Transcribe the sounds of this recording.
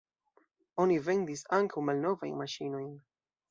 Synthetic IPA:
o̞nive̞ndisaŋkawmalno̞va̰jnmaʃino̞jn

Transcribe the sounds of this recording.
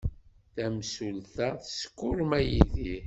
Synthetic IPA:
θæmsulθæθə̥skːʊɾmæjiði

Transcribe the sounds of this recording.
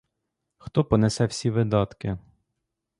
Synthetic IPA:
xt̪ɔpɔnesɛwsʲiʋɪd̪ɑt̪kɪ

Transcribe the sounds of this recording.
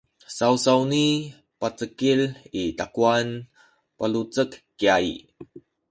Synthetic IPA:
sawsawni | pat͡səkilit̪akuan | palut͡səkːiaj

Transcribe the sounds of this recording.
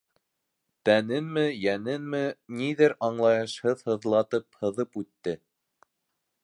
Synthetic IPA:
t̪ænɘnmɘjænɘnmɘniðɘɾɑɴlˠɑjɤ̆ʃhɤðhɤ̆ðlˠɑt̪ɤp̚hɤ̆ðɤpʉt̪ːɘ

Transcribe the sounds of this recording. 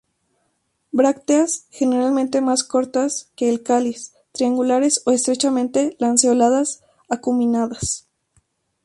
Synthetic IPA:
bɾakt̪easxe̞neɾalmẽnt̪emasko̞ɾt̪aske̞ːlkalis | t̪ɾiaŋɡulaɾe̞so̞est̪ɾe̞t͡ʃamẽnt̪elanseolaðas | akumĩnaðas

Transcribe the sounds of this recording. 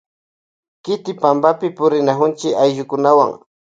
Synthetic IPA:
kɪt̪ɪpambapɪpʊɾɪnaxʊnt͡ʃɪajʒʊkʊnawa̰ŋ

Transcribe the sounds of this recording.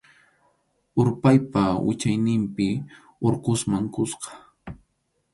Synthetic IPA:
ʊɾpajpawɪ̰t͡ʃajnɪmpɪ | oɾkʊsmaŋkʊsqɑ̥

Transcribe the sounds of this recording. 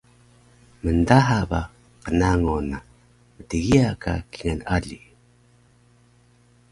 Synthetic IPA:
məndaɦaba | qənaŋona | mətəɡiaka̰kiŋanaʎi

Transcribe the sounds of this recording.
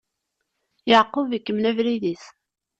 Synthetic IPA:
əʕqːəvikːəmnævɾiðiθ

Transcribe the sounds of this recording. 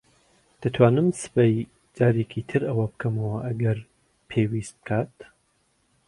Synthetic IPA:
d̪̥at̪ʰwaːnɨmsɨ̥paj | d͡ʒaːɾekʰit̪ʰɨɾɐwɐbɨkʰɐmɐwɐʔɐɡɐɾ | pʰewist̪̚bɨ̥kʰaːt̪̚

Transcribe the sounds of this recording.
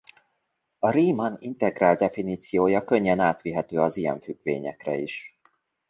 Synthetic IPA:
ɒɾiːmɒnint̪ɛɡraːld̪d̪ɛfiniːt̪sijoːjɒkøɲːɛnaːt̪ʋiɦɛt̪øːɒzijɛ̰ɱfyɡ̥ʋḛːɲɛkrɛ̰iʃ

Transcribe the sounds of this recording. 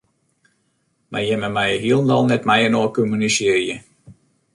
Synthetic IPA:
ma̰jɛməmɛjɦiəlˠndɑlˠnɛtmɛjənoːkɔmynisɪərjə

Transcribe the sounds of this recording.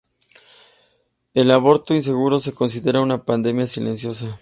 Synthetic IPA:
e̞laβo̞ɾt̪o̞ins̬e̞ɣuɾo̞se̞ko̞ns̬iðe̞ɾaunapand̪e̞mjasilensjo̞sa

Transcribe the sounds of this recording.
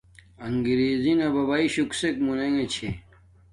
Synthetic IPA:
ɐŋɡiɾiːzinɐbɐbaiɕuksekmuneŋet͡ɕʰe

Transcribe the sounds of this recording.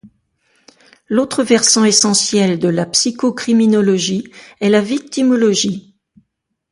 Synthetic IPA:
lot̪χəvɛʁsɑ̃esɑ̃sjɛld̪əlapsikokχiminɔlɔʒiɛlavik̚t̪imɔlɔʒi

